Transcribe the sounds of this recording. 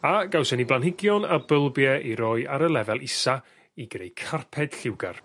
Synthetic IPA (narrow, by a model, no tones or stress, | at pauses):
aɡawsəniblˠanhɪɡjɔnabəlˠbjɛʔiɾɔːɨaɾəlˠɛvɛlˠɪsa | iɡrejkʰarpʰɛd̥ɬɪwɡa̰r